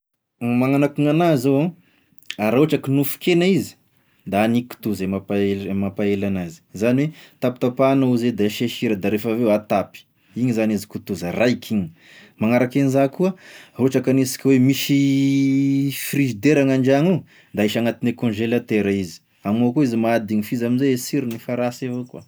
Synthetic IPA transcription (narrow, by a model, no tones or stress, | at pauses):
maŋanakuŋanazoã | aɾaoʈ͡ʂakinufu̥kenaizi̥ | d̪aaniku̥t̪uzemapaemapaelanazi̥zaniwet̪apt̪apanauzed̪aʃeʃiɾəd̪aɾefavewat̪api̥ | iɲizanizikut̪uzərajkʰiɲi̥ | maŋaɾakenzakuəɾoʈ͡ʂakanisi̥kʲiwemiʃi | frizid̪eɾaŋaɳɖ͡ʐaŋu | d̪aiʃaŋat̪inekɔ̃nʒelat̪eɾaizi̥ | amokuizimaad̪iɲifizaminzeesiɾinifaɾasavokwa